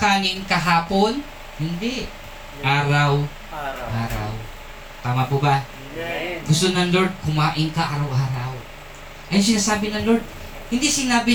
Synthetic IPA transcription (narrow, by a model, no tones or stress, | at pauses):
kaːnɪŋkɐɦaːpon | hɪnd̪ɛ | ʔaːɾɐw | ʔaːɾa̰w | t̪aːmɐpʊba | ɡʊst̪onɐŋloɹd̪̚kʊmaːʔɪnkɐʔaːɾɐwʔaːɾɐw | ʔɐjʊs̬ɪnaːsaːbɪnɐŋloɾd̪̚ | hɪnd̪isɪnaːbɪ